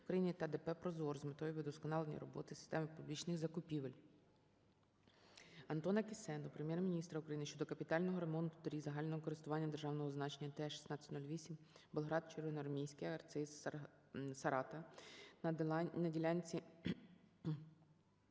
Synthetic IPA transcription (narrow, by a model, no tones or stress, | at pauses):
ʊkɾɐjinʲit̪ɐd̪epɛpɾɔzɔrzmet̪ɔjiʋɪd̪ɔskɔnɑlˠenʲḭɾɔbɔ̰t̪ɪsɪ̥st̪ɛmɪpublʲit͡ʃnɪxzɐkʊpʲiʋelʲ | ɐnt̪ɔnɐkʲisɛnɔpɾemʲjɛrmʲinʲist̪ɾɐukɾɐjinɪʃt͡ʃɔd̪ɔkɐpʲit̪ɑlʲnɔɦɔɾe̞mɔnt̪ʊ̥t̪ɔɾʲizɐɦɑlʲnɔɦɔkɔɾɪst̪ʊʋɑnʲːɐd̪erʒɑwnɔɦɔznɑt͡ʃenʲːɐt̪ɛʃi̥snɑtt͡sʲɐ̥tʲnulʲʋʲisʲim | belˠɦɾɑd̪̚t͡ʃeɾʋɪnɔɐrmʲijsʲkɪjɐrt̪sɪs | sɐɾɑt̪ɐ | nɐdʲilʲɑnʲt͡sʲi